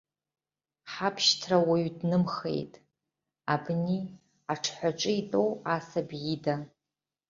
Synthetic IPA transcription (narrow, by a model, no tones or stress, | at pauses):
ħapʰʃtʰrawaɥdnɨmχḛjtʼ | abni | aʈ͡ʂʰħʷaʈ͡ʂʼɨitʼowasabjida